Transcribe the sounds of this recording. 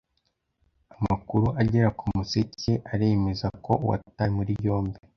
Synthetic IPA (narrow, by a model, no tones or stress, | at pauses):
amakuɾuaɟeɾakumusece̞ʔaɾemezako̞wa̰tamuɾijo̞ːmbi